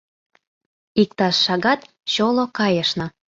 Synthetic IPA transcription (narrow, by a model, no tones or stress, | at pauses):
ik̚t̪ɑʃːɑɣɑt̪ | ɕolokɑjəʃnŏ